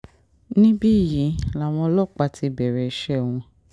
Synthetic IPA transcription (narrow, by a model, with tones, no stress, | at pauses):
nĩ˦bi˦˨jĩ˨˦la˨w̃ɔ̃˧˦lɔ˦˨k͡pa˧ti˧bɛ˨ɾɛ˧i˧˦ʃɛ˦˨wũ˧